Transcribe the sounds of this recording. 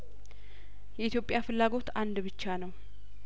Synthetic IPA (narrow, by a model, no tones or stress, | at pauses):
jɛʔit̪jo̞pʼjafɨlːaɡo̞t̪and̪bɨt͡ʃːanəw